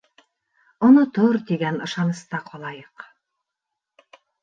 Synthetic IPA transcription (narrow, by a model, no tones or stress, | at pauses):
ŏnot̪oɾt̪iɡænɤ̆ʃɑnɤ̆st̪ɑqɒlˠɑjɤq